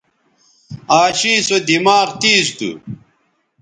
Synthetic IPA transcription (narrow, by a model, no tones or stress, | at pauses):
aːɕiːsod̪imaːʁt̪iːst̪ṵ